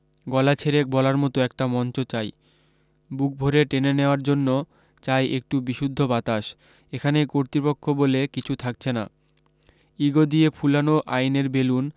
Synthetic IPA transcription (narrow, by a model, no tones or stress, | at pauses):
ɡɔlat͡ɕʰeɾek̚bɔlaɾmɔt̪oɛk̚ʈamɔnt͡ɕot͡ɕaj | buk̚bʱoɾeʈeneneoaɾd͡ʑonːo | t͡ɕajʔek̚ʈubiʃud̪ʱːobat̪aʃ | ekʰanekoɾt̪ɾipokʰːobolekit͡ɕʰut̪ʰak̚t͡ɕʰena̰ | iɡod̪iepʰulanoʔajneɾbelun